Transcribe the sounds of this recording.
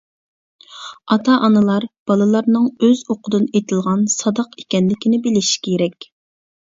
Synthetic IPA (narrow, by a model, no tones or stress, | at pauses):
ɑt̪ʰɑʔɑnɨlˠɑɾb̥ɑlˠɨlˠɑɾnɨŋøzoqʰʊd̪ɨnet̪ʰɪlˠʁɑnsɑd̪ɑqe̥kʲɛnlɪkʲʰinɪbelɪʃi̥kʲʰeɾɛkʲ